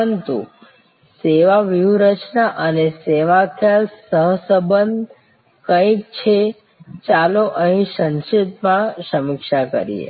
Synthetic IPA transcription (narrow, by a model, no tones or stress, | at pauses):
ənt̪ṵ | seʋaʋiuɾət͡ʃnaʔəneseʋak̪ʰjalsəɦsəbənd̪ʱ | kə̃ik̚t͡ʃʰe | t͡ʃaloʔəɦĩsənʃet̪mãsəmɪkʃakə̰ɾḭḛ